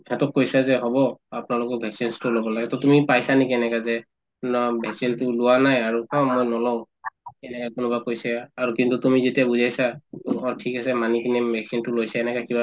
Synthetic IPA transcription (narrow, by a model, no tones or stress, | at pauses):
kʰɛtɔk̚kojsazɛɦɔbɔapnalʊkɔkbʱɛksinstʊlɔbɔlaɡɛtɔtumipajsanikiɛnɛkazɛ | nɔbʱɛksintʊlʊwanajaɹukãmojnɔlɔ̃ | ɛnɛkakʊnʊbakojsaaɹukintutumizetiabuzajsakɔtʰikasɛmanikinɛbʱɛksintʊlojsaɛnɛkakiba